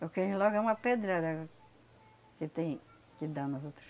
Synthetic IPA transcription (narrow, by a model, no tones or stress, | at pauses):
okẽlɔɡɐũmɐped̪ɾad̪ɐɡ | kɪt̪ẽj̃ | kɪd̪anɐzot̪ɾɐs